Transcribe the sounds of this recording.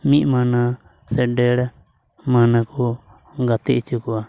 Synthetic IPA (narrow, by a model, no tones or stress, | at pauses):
miʔmana | sɛɖɛɽ | manaku | ɡat̪iʔt͡ʃukua